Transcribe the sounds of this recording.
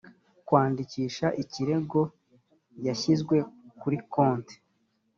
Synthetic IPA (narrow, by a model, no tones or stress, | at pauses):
kwaːndiciːʃaʔiciɾe̞ɡo̞ | jaçizɡwe̞kuɾikoːnte̥